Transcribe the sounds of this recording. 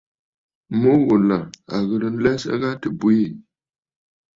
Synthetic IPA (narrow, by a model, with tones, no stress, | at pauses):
mo˦ɣo˨la˨a˨ɣə˨lɨ˨n̩˦lɛ˦sa̰˦ɣa˦tɨ˨bu˦ji˦˨